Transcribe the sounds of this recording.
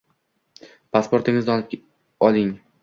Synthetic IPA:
pʰaspo̞ɾt̪ɪŋɪzd̪aɒnɪp̚ʲ | ɒlˠɪŋ

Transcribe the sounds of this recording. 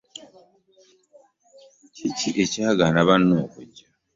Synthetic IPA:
ciciʔe̞caːɡanaβanːoːkuɟa

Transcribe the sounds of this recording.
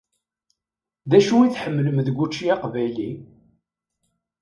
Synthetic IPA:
ðæʃuiθħəmːləmðɡʷut͡ʃːiɑqvæjli

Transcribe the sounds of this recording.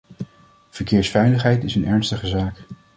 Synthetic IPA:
v̥əɹkɪːɹsfɛjləχɦɛjtɪsənɛɹnstəχəzaːk

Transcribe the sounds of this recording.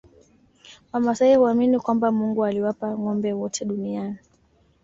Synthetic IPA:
wamasaihuaminikwambamuŋɡualiwapaŋɔmbɛwɔtʰɛɗuniani

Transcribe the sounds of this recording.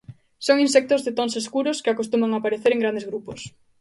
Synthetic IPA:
soŋinsɛk̚t̪ʊzðɪt̪onseskuɾʊskɪakost̪umaŋapaɾeθeɾeŋɡɾand̪ezɣɾupos

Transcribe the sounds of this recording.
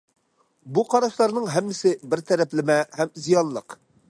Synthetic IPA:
buqʰɑɾɑʃlˠɑɾnɨŋɦɛmːɪsɪbɪɾt̪ʰɛɾɛplɪmɛɦɛmzijɑnlˠəq

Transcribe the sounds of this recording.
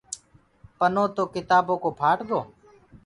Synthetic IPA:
pənoːt̪oːkɪt̪aːboːkoːpʰaːʈɡoː

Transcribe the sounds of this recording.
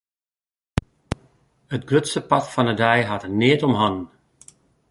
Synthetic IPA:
ətɡrøtsəpɑtfɑnədɛjɦatənɪətɔmɦɑn

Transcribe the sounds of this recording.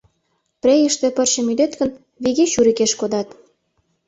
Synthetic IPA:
pɾʲejəʃt̪ĕpə̆rɕə̆myd̪et̪ɣə̆n | βiɣeʃuɾikeʃkod̪ɑt̪

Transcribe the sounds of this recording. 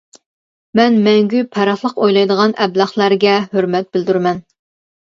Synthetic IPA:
mɛnmɛŋɡʲypʰɛɾɑχlˠəqojlˠɑjd̪əʁɑnɛblˠɑχlˠæɾɡʲɛhøɾmɛt̪̚bɪld̪yɾmɛn

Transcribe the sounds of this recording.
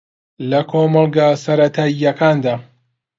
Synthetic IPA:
lɐkʰoːmɑlˠɡasɐɾɐt̪ʰaːijːɐkʰaːnd̪aː

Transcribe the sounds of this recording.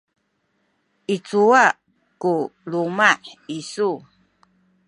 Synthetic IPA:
ʔit͡sua | kulumaħisu

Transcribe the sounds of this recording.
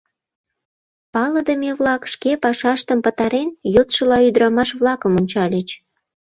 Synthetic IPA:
pɑləd̪əmeβlɑkʃkepɑʃɑʃt̪əmpət̪ɑɾenjot̪ʃə̆lɑyd̪ɾɑmɑʃβlɑkəmonʲt͡ɕɑlʲet͡ɕ

